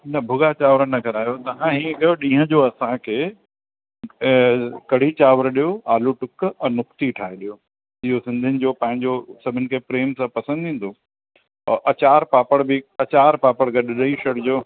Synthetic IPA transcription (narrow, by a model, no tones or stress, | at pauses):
nɐbʱʊɡat͡ɕaːʋɾənɐkɐɾaːjot̪ɐɦãɦĩːkɐjoɗĩːɦə̃d͡ʑoːɐsãkʰeː | kɐɽ̤it͡ɕaːʋɾɗijoaːluʈʊkɛ̃ːnʊkt̪iʈʰaːɦeɗijoː | ɪɦosɪ̃nd̪ʱənɪ̆d͡ʑoːpɐ̃ɦɪ̃ɲd͡ʑoːsɐbʱɪnɪ̆kʰepɾeːmsãpɐsə̃nd̪ʱĩːn̆d̪oː | ɔʔɐt͡ɕaːɾpaːpəɽbɪɐt͡ɕaːɾpaːpəɽɡɐɗɗɐiʃɐɽd͡ʑoː